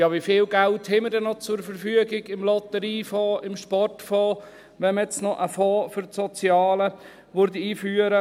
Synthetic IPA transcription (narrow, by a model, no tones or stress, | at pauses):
jɑːʋifɪːlɡælthɪmədɛnɔt͡sʊɾfəɾfyəɡɪɡɪmlɔt̪əɾiːfoːʔɪmʃpɔrtfɔː | ʋɛnməjɛt͡snɔʔəfoːfʏɾtsɔt͡sjɑːlə | ʋʊɾdiiːfyːəɾə